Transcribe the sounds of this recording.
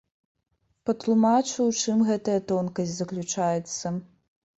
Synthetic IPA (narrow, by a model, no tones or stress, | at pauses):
pɐt̪lˠumat͡ʂɨwt͡ʂɨmɣɛt̪ɐjɐt̪ɔnkɐsʲzɐklʲut͡ʂajɛt̪sːɐ